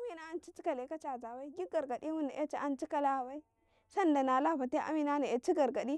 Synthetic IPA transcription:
a˦mi˦na˦a˦nt͡ʃi˦t͡ʃi˦ka˨le˨ka˦t͡ʃa˨za˨wa˦i˦ɡi˦ɡa˨ɾɡa˨di˦wu˦na˨ʔe˦t͡ʃi˨ʔa˦nt͡ʃi˦ka˦la˦˨wa˦i˦ | sa˦nda˨na˨la˦˨ba˨te˦ʔa̰˦mi˦na˦na˨e˨t͡ʃi˦ɡa˨ɾɡa˨ɗi˦

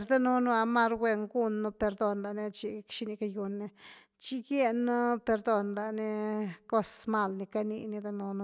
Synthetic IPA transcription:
ɾd̪a˦nu˦nu˦a˧ma˦ɾwʷe˧ŋɡu˦nːu˦˧pe˧ɾd̪o˧nla˨ni˦˧t͡ʃi˧kʃi˧˦ni˧ka˧ju˧nːi˧ | t͡ʃi˦ɡje˦˧nu˦pe˧ɾd̪o˧nla˨ni˦ko˦sma˦˧lni˧ka˦nḭ˧ni˧d̪a˦nu˧nu˦˧

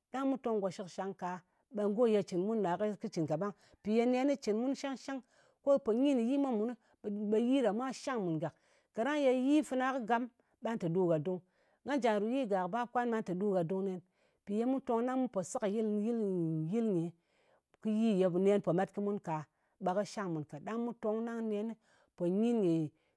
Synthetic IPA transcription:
ɗa˦ŋmu˦to˧ŋɡo˨ʃi˦kʃa˧ŋka˨ | ɓa˧nɡo˦˨je˧t͡ʃi˨nmu˦nːa˨kkɨ˦t͡ʃi˨nka˨ɓa˦ŋ | pi˨je˦ne˦ni˦t͡ʃi˨nmu˦nʃa˦ŋʃa˦ŋ | ko˦po˨ɲi˦ni˨ji˦ma˦mu˨n˦˨ | ɓa˨ji˦ɾa˨mʷ˦a˦ʃa˦ŋmu˨nɡa˨k | ka˨ɾa˦ŋje˧ji˦fi˧na˦kɨ˦ɡa˦m | ɓa˦ntɨ˨du˦ɡa˨du˦ŋ | ŋɡa˦nd͡ʒa˨n˨ɾu˨ji˦ɡa˨kba˦p̚kʷa˦nma˦nta˨du˦ɡa˨du˦ŋne˦n | pi˨je˧mu˦to˧ŋna˦ŋmu˦po˨si˦kji˦lji˦lji˦lɲe˨ | kɨ˦ji˦˨je˧˨ne˨˦npo˨ma˦tkɨ˦mu˦nka˨ | ɓa˨kɨ˦ʃa˦ŋmu˨nka˨da˦ŋmu˦to˧ŋna˦ŋne˧˦ni˦ | po˨ɲi˦nɲi˨

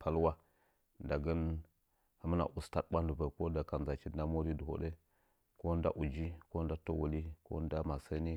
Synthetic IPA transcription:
pa˦lwa˦ | nda˨ɡə˦n | ha˨mə˦na̰˨ʔu˨sta˦t̚ɓa˦ndu˨və˨ko˦da˨ka˨nza˨t͡ʃi˨dna˦mo˦ɾi˦du˨o̰˨ɗe˦ | ko˦da̰˦ʔu˨d͡ʒi˦ko˦n˦da˦to˦wo˨li˦ko̰˦n˦da˦ma˨sə˦ni˦

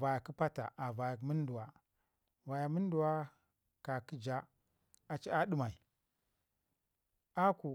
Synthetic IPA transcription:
va˨ja˨ki˦pa˦ta̰˨a˨va˨ja˨˦mi˦n˦du˨wa˨ | va˨ja˨mi˦n˦du˨wa˦ | ka˨ki˦d͡ʒa˦ | a˨t͡ʃi˦a˦ɗi˦ma˨i˨ | a˦ku˨

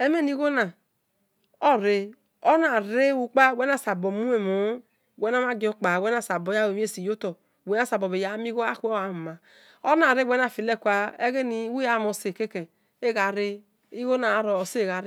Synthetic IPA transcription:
e˦me˦ni˦ɣo˦na˨ | ɔ˦ɾe˨ | o˦na˨ɾe˦wu˨k͡pa˦˨wʷe˦na˦˨sa˨bo˨mu˦e˨mo˨˦˨ | wɛ˨˦na˦ma˦ɡo˦k͡pa˨wʷe˦na˨sa˨bo˨ja˦we˨m˦e˦˨si˨jo˦to˨ | wʷe˦na˦˨sa˨bo˨be˨ja˦mi˦ɣo˦a˦ko˦a˨m˨ma˨ | o˦na˨ɾe˦wʷɛ˦na˨fi˨le˦˨kʷa˦e˦ɣe˦ni˨˦wu˦ja˨mo˨se˨ke˦ke˨ | e˦ɣa˨ɾe˦ | i˦ɣo˦na˨ɾɔ˨se˦˨ɣa˨ɾ

